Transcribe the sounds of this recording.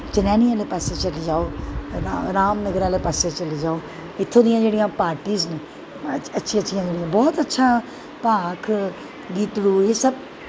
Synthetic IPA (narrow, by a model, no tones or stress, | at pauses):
t͡ʃɪnɛːniːãːleːpaːseːt͡ʃəliːd͡ʒaːoːaɾaːmnəɡəɾaːleːpaːseːt͡ʃəliːd͡ʒaːoː | ɪt̪ʰːõːd̪ɪjãːd͡ʒeːɽijãːpaːɾʈiːzne | ətːʃʰiːətːʃʰijãːd͡ʒeːɽijãːbɔːt̪ətːʃʰaː | paːkʰ | ɡiːt̪luːesəb